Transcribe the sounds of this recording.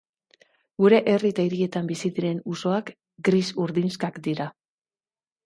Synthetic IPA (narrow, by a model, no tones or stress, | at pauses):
ɡuɾe̞ʔerit̪aiɾie̞t̪ambisiðiɾe̞nuso̞ak | ɡɾisuɾðinskakd̪iɾa